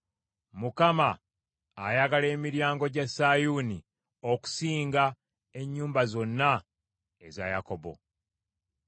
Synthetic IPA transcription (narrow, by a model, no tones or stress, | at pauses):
mukamaː | jaɡale̞ːmiɾjaːŋɡo̞ɟasajuni | oku̥siːŋɡa | e̞ɲːuːmbazo̞nːa | eza̰jako̞bo̞̰